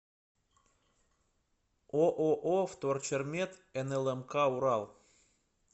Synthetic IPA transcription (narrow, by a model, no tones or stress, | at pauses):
oʔoʔoft̪ort͡ɕərmʲet̪enelˠemkɑuɾɑlˠ